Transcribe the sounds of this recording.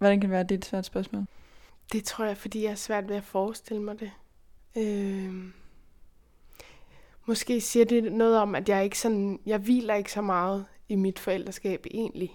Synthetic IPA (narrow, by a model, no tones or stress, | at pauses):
ʋɒdænkʰædeʋæːɐd̥e̝d̥sʋæɐd̥sb̥ɶɐsmɔ̰ːld̥e̝t͡sʰʁo̝ɐ̰jɑ̈ɪfɒ̽d̥ḭːjɑ̈hæɐsʋæɐ̰d̥ʋe̝æfɒːsd̥e̝l̰əmɑ̈ɪd̥e̝ | ø | mɒ̽sɡ̥e̝̰ːsiːɐde̝nɔ̽ːð̞̩ˠɒ̽mæd̥jɑ̈ɐe̝ɡ̥əsɒ̽njɑ̈ɪʋḭːlɐe̝ɡ̥əsɒ̽mɑ̈ːð̞̩ˠimid̥fɒ̽el̰d̥ʁɐsɡ̥ɛ̰ːb̥e̝̰ːnli